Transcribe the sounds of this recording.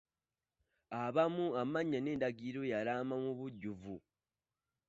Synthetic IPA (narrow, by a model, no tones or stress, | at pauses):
aβamuamaɲːane̞ːndaɡiɾo̞jaɾaːmamuβuɟːuvu